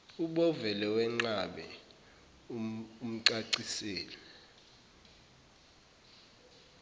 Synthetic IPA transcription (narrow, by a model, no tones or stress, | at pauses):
uɓɔvɛlɛwɛŋ͡ǁaɓɛ̰ | um̩ǀaǀisɛːlɛ